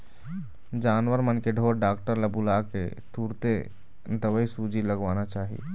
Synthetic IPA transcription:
d͡ʒaːnʋəɾmənkeɖʱoɾɖaːkʈəɾləbulakḛt̪uɾt̪e | d̪əwəisud͡ʒiləɡʋanat͡ʃaːɦḭ

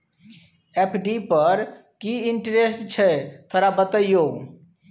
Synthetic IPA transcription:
epʰɖipəɾ | kiɪɳʈɾesʈt͡ʃʰɛt̪ʰəɾabət̪əjoː

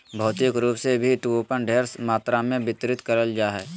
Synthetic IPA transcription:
bʱɐːt̪ɪkɾuːpsebʱiʈuopənɖʱeːɾsmaːt̪ɾamẽbɪt̪ɾɪt̪kəɾəld͡ʒaːɦɛː

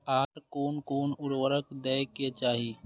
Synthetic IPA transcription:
aːɾkoːnkoːnʊɾʋəɾəkd̪ɛːket͡ʃaːɦi

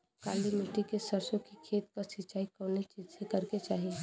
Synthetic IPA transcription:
kaːlimiʈikesəɾsõkikʰeːt̪kasɪt͡ʃaːikɔːnet͡ʃiːd͡ʒsekɐɾket͡ʃaːɦie

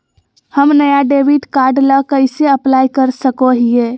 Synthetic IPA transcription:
həmnəjaɖebiʈkaɾɖləkəɪseəplajkəɾsəkoɦije

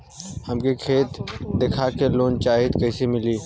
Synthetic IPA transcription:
həmkikʰeːt̪d̪ekʰakeloːnt͡ʃaːɦɪd̪kɐɪsemɪliː

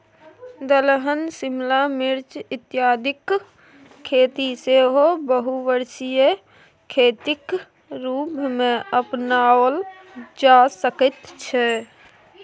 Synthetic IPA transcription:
d̪əlɦənsɪmlamɪɾt͡ʃɪt̪jaːd̪ʱɪk | kʰːeːt̪iseɦobəɦuʋəɾsije | kʰeːt̪ɪk | ɾuːpmẽʔəpnaːwəl | d͡ʒasəkət̪t͡ʃʰɛ

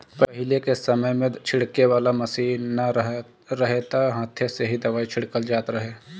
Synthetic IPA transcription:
pɐɐɦɪlekesɐməjmẽt͡ʃʰɪɽkeʋaːlamɐsiːɦnɐɦ | ɾɐɦet̪aɦaːt̪ʰjəseɦid̪ɐʋaːit͡ʃʰɪɽkəld͡ʒaːt̪ɾɐɦeː

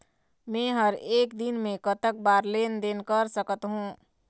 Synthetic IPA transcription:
mẽɦəɾeːkd̪inmẽkət̪ək̚baːɾlend̪enkəɾsəkət̪ɦũː

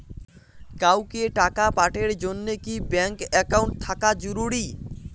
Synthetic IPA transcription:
kawkeʈakapaʈeɾd͡ʑonːekibɛŋkɛkawɳʈ̚t̪ʰakad͡ʒoɾuɽi

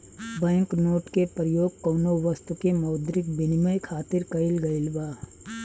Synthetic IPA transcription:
bɛ̃ːŋknoːʈkepɾəjoːɡ̚kɐːnoʋəst̪ukemɐːd̪ɾɪk̚bɪnɪməjkʰaːt̪ɪɾkɐɪlɡɐɪlbaː

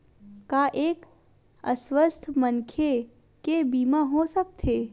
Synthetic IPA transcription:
kaːʔeːk | əswəst̪ʰmənkʰe | kebiːmaɦosək̚t̪ʰeː

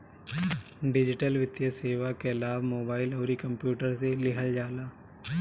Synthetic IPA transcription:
ɖɪd͡ʒɪʈəlʋɪt̪jəseːʋakelaːʋmoːbaːɪlɔːɾikɐ̃mpjuːʈəɾselɪɦəld͡ʒaːlaː

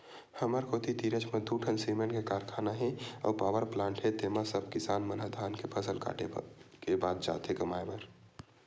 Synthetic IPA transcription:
həməɾkoːt̪it̪iːɾət͡ʃʰməd̪ʱːuʈʰənsimənkekaːɾkʰaːnaɦɛ̃ɔ̰ːɾpaːʋəɾplãːɳʈɦɛ̃t̪eːmasəbkɪsaːnmənəd̪ʱaːnkepʰəsəlka̰ːʈekebaːd̪̚d͡ʒa̰ːt̪ɦẽɡəmaːjbəɾ

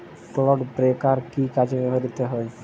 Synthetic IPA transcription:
klɔɖpɾekaɾkikad͡ʑebeɦoed̪it̪eɦɔe

